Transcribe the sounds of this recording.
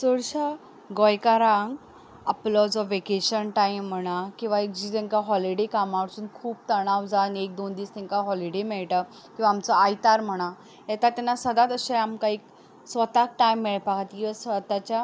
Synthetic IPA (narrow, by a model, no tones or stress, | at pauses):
soɽɕa | ɡɔjkaɾãŋɡ | əplɔd͡zɔʋekeɕənʈajm̤ːəɽ̃akĩw̃ʋaek̚d͡ʑit̪ɛ̃ŋkaɦɔliɽekamaɽsuːnkʰuːp̚t̪əɽ̃awd͡zanek̚d̪ond̪iːst̪ɛ̃ŋkaɦɔliɽemɛɭʈa | kĩʋaːmt͡sɔajt̪aɾm̤əɽ̃a | jɛt̪at̪janːasəd̪at̪əɕeamkaik | sʋət̪ak̚ʈajmːiɭpakat̪kĩʋasʋət̪at͡ɕa